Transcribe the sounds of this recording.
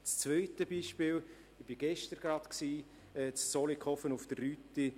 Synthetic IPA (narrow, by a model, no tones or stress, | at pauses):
t͡st͡svœɪtəbiːʃpɪːl | ɪb̥iɡ̥ɛʃtəɾɡ̥ɾɑtksiː | ɛːt͡ssɔlikχɔfənʊfd̥ərːyti